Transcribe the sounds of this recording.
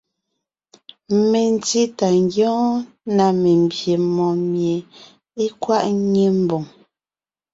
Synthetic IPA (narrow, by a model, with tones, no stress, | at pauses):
me˨n˨ti˦ta˨ŋɡjɔ̃ː˦ | na˨me˨m̩˨bje˨mɔ̃˨mje˨ | e˦kwa˦ʔɲe˦m̩˨bo˨ŋ